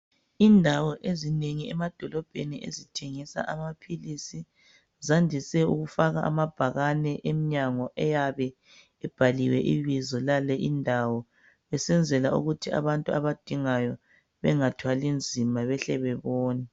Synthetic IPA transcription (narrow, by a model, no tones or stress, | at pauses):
indʱawɔʔezineŋiɛmad̥ʱɔlɔb̥ʱeniʔḛzitʰeŋisa̰ʔamapʰilisi | zandʱisɛuɣufaɣa̰ʔa̰mab̥ʱaɣanɛʔemiɲaŋɔʔɛjaβɛ | ɛb̥ʱaliwɛʔiβizɔlalɛʔindʱawɔ | βɛsɛnd͡zʱɛlaṵɣutʰia̰βantʼua̰βad̥ʱiŋajɔ | βɛŋatʰwalind͡zʱimaβɛɬɛβɛβɔːnɛ